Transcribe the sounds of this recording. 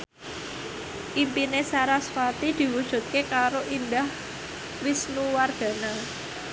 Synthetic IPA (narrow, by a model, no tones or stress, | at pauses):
ʔimpinesaɾasfat̪id̪̥i̤wud̥ʒ̥ṳt̪̚kekaɾoʔind̪ah | wisnuwarɡ̥a̤na